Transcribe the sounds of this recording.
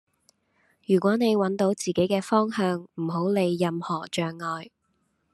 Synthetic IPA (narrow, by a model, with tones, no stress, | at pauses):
jyː˨˩k̬ʷɔː˨˥ne˨˧jwɐ˨˥nt̪o˨˥wt͡siː˨ke˨˥jkɛː˧fɔː˥ŋɦœː˨˧ŋm̩˨˩ho˨˥wle˨˧jːɐ˧mhɔː˨˩t͡ʃœː˨ŋːɔː˨j